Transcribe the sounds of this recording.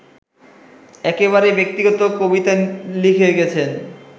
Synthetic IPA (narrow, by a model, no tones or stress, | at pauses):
ɛkeβaɾebek̚t̪iɡɔt̪okobit̪alikʰeɡɛt͡ɕʰen